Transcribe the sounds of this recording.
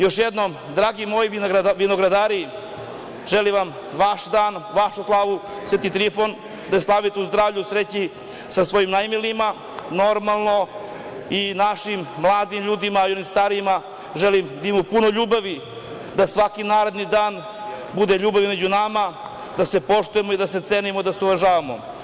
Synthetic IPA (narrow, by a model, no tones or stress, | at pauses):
jo̞ʃjed̪no̞m | d̪ɾaːɡimo̞ːjiʋino̞ɡɾad̪aːɾi | ʒeliʋam | ʋaʃd̪aːnʋaʃuslˠaːʋu | sʋet̪it̪ɾifo̞n | d̪aeslˠaʋit̪euzd̪ɾaːʋʎusɾet͡ɕi | sasʋo̞jimnajmilima | no̞ɾmalˠno̞ | inaʃimːlˠaːd̪imʎuːd̪imaːio̞nimst̪aɾima | ʒelimd̪aimopunoʎuːbaʋi | d̪asʋakinaːɾe̞d̪nid̪aːn | bud̪eʎuːbaʋimed͡ʑunama | d̪ase̞po̞ʂt̪uje̞mo̞id̪ase̞t̪seːnimod̪aseuʋaʒaːʋamo̰